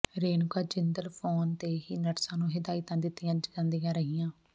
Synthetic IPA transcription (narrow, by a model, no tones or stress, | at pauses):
ɾeːnkaːd͡ʒɪnd̪əɾpʰoːnt̪eːɦiːnəʈsãːnũːɦɪd̪aːɪt̪ãːd̪ɪt̪ːɪjãːd͡ʒãːnd̪ijãːɾəɦijãː